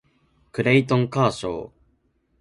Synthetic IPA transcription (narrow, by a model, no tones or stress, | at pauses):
kɯ̟ɾeit̪õŋkaːɕo̰ː